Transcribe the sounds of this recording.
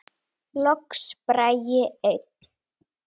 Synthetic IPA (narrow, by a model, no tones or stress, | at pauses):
lɔkspɾajɪeɥt̪